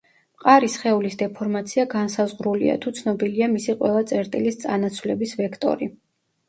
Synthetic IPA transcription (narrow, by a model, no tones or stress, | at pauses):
mqʼaɾisχɛulisd̪ɛpʰɔɾmat̪sʰiaɡansazʁɾulḭa̰t̪ʰut̪sʰnɔbiliamisiqʼwɛ̰lˠat̪sʼɛɾt̪ʼilist̪sʼa̰nat̪sʰwlɛbisvɛkʰt̪ʼɔ̰ɾi